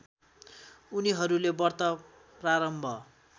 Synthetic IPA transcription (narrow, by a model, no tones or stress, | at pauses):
uniɦʌɾulebʌrt̪ʌ | praɾʌmbʱʌ